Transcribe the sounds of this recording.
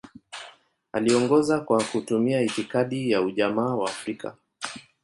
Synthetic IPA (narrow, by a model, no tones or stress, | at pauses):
aliɔŋɡɔzakwakutumiaitikaɗijauʄamaːwaːfɾikʰa̰